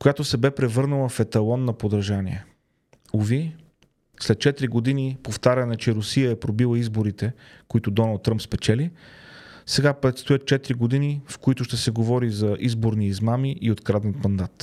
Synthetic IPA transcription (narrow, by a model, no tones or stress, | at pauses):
kojat̪osɛbɛpɾɛvɤɾnəlˠɐfɛt̪ɐlˠɔnːɐpod̪ɾɐʒaniɛ | ovi | slɛt̪̚t͡ʃɛt̪ɾiɡod̪inipoft̪aɾʲɐnɛt͡ʃɛɾʊsijəɛpɾobilˠəizboɾit̪ɛ | koit̪ʊd̪ɔnəlˠt̪ːɾɤmpspɛt͡ʃɛli | sɛɡapɾɛt̪st̪ojət̪̚t͡ʃɛt̪ɾiɡod̪inifkoit̪ʊʃt̪ɛsɛɡovɔɾizɐʔizboɾniːzmamiʔiot̪kɾad̪ɛnt̪mɐnd̪at̪